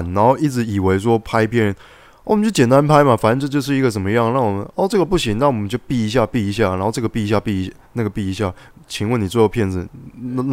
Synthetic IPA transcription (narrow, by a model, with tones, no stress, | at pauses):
nna˧˥nxo˥˧ʊi˥˩t͡sɻ̩˧˥i˨˩we˧˥ɪʂ̬wɔ˥pʰa˥ɪpʰjɛ˧˥nɻə˧˦n˥˨˩ | ə˦t͡ɕo˥˩t͡ɕjɛ˨nt̪a˥npʰa˥ɪma˨fa˨˩nə˧nʈ͡ʂɤ˥˧t͡ɕjo˥˧ʊʂ̬ɻ̩˥˩i˧˥ɡə˨t͡sə˨˩nmə˧˦jɑ˥˧ŋɻɑ˥˩ŋwɔ˨˩mə˦nɔ˥˧ʈ͡ʂɤ˥˩ɡə˩pu˥˩ɕi˧˥ŋna˥˩wɔ˨˩mə˦nt͡ɕjo˥˧ʊpi˥˩i˧˥ɕ̬ja˥˧pi˥˩˧ɕ̬ja˥˩n˧˥nxo˥˧ʈ͡ʂɤ˥˩ɡə˧˩pi˥˧i˧ɕ̬ja˥˧pi˥˩˧na˥˩ɡə˩pi˥˩i˧ɕja˥˩ | t͡ɕʰi˧˥ŋwə˥˩ni˨˩t͡swɔ˥˧jo˥˩ʊpʰjɛ˥˩nd͡zɹ̩˨˩˦